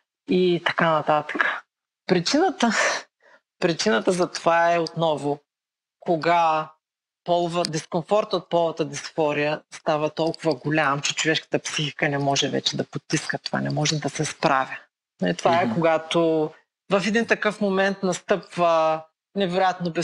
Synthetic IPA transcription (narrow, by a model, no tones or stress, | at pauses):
it̪ɐkanɐt̪at̪ə̥kə̥ | pɾit͡ʃinət̪ə | pɾit͡ʃinət̪əzɐt̪o̥vaɛot̪nɔvʊ | koɡa | pɔlˠvəd̪ɛskonfɔɾt̪ot̪̚pɔlˠvɐt̪əd̪ɛsfɔɾijəst̪avɐt̪ɔlˠkʊvɐɡolʲamt͡ʃɛt͡ʃovɛʃkə̥t̪əpsixikənɛmɔʒɛvɛ̰t͡ʃɛd̪ɐpot̪ːiskət̪ova̰nɛmɔʒɛd̪ɐsɛspɾavʲjə | nɐit̪ovaɛkoɡat̪o | vɐfɛd̪int̪ɐkɤfmomɛnt̪nɐst̪ɤpvə | nɛvɛɾojat̪nobɛ